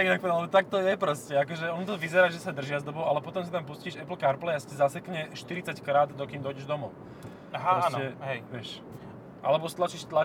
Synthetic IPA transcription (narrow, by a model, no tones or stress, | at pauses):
ɡinak̚plɛbɔt̪ak̚t̪ɔjɛpɾɔscɛakɔʒɛɔnut̪ɔʋizɛɾaːʒɛsad̪r̩ʒɪazd̪ɔbɔʊʔalɛpɔt̪ɔmsat̪ampusciːʃɛpl̩kaɾplɛasicɛzasɛkɲɛʃt̪iɾit͡sackɾaːd̪d̪ɔkiːmd̪ɔjɟɛʒd̪ɔmɔʊ | aɾɔsɛɦɛjʋɪɛʃ | ʔa̰lɛbɔst̪lat͡ʃiːʃt̪la